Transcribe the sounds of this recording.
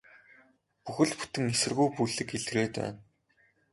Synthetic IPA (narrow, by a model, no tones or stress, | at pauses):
puxɘ̆ɮpu̥t̪ɘ̆ŋesɘ̆rɣujpujɮɘ̆keɮreːt̪æ̰ːn